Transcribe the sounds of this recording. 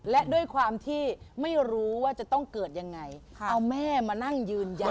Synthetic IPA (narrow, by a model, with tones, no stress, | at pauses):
lɛ˦˥ʔdu˥˩əjkʰwaː˧mt̪ʰiː˥˩ma˥˩jɾuː˦˥waː˥˩t͡ɕa˨˩t̪ɔ˥˩ŋkɤː˨˩t̪̚ja˧ŋːa˧jʰʔa˧wmɛː˥˩maː˧na˥˩ŋjɯː˧nja˧